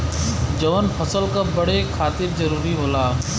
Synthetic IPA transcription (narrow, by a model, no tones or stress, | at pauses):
d͡ʒəʋənpʰəsəlkəbəɽeːkʰaːt̪ɪbzəɾuːɾiːɦoːlaː